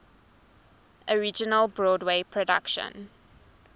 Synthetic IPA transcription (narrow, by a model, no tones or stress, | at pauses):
ʔəɹid͡ʒənəlbɹɔːdweɪpʰɹɔda̰kʃə̰̃n